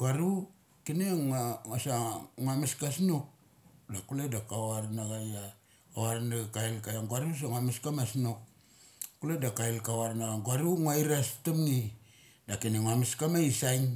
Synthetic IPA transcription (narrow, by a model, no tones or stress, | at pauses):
ɡaɾu | kineŋasaŋamiskasnuk̚ | dakuledakawaɾnaɡaja | awaɾnaɡkailkajaŋɡuaɾus̬aŋwamiskamasnuk̚ | kuledakailkawaɾnaɡaŋɡuaɾuŋaiɾastumŋi | dakineŋamiskamaisajŋ